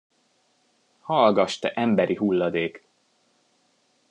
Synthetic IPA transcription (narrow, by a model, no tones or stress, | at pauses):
hɒlɡɒʃt̪ɛʔɛmbɛɾiɦulːɒd̪eːk